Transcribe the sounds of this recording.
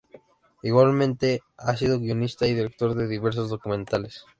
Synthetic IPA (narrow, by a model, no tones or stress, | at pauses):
iɣwalmẽnt̪e̞asiðo̞ɣio̞nist̪aiðiɾek̚t̪o̞ɾðe̞ðiβ̞e̞ɾs̬o̞zðo̞kumẽnt̪ales